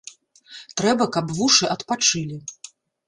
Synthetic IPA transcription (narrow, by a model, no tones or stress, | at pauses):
t̪ɾɛbɐkɐpvuʂɨʔɐt̪pat͡ʂɨlʲi